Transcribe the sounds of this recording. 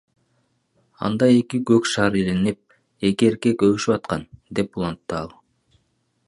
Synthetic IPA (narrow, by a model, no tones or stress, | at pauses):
ɑ̰nd̪ɑe̞kiɡøkʃɑːɾilenip̚ | e̞kie̞ɾke̞køβyʃypɑt̪̚qɑnd̪e̞pulˠɑnt̪ːɯɑlˠ